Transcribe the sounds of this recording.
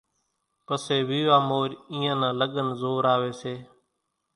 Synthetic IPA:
pəseːʋiːʋaːmoːɾĩːãːnãːləɠənzoːɾaːʋeːseː

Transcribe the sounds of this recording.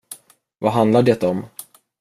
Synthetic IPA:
vaɦand̪laɖɛt̪ːaɔm

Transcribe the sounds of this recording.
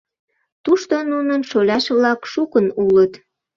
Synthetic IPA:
t̪uʃt̪onunənʃolʲɑʃβlɑkʃukənulət̪

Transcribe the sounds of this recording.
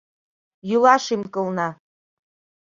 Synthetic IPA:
julaʂimkʼɨlˠna

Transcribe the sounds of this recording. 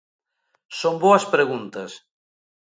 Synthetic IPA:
somboɐspɾeɣ̞unt̪ɐs

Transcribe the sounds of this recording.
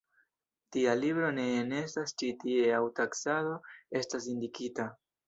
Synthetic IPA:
tialibɾo̞ne̞ːne̞stast͡ʃitie̞awtaksado̞e̞stasindikita

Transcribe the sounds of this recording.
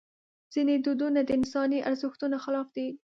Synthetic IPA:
z̥ined̪ud̪unad̪əɪnsɑniʔaɾzɪxt̪unaxɪlɑfd̪i

